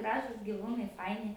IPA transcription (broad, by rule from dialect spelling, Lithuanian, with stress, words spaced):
ˈɡrɑːʒuːs ɡʲɪˈʋuːnɐɪ ˈfɐɪnʲɪ